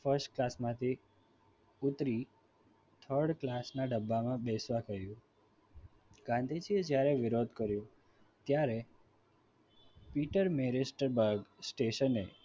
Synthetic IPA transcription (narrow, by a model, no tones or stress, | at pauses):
fəɾsʈklasmãt̪ʰi | ut̪ɾi | t̪ʰəɾɖklasnaɖəbːamãbɛsʋakəɦjũ | ɡ̥ãnd̪ʱid͡ʒied͡ʒjaɾeʋɪɾod̪ʱkəɾjũ | t̪jaɾe | piʈəɾmeɾesʈəɾbəɾɡsʈeʃəne